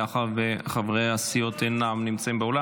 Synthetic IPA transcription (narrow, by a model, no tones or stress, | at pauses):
aχadveχavʁejasijotʰenamnimt͡saimbeola